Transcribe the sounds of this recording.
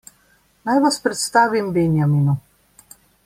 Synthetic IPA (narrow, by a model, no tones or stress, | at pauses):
najʋaspɾɛt̪st̪aːʋimbenjamiːnu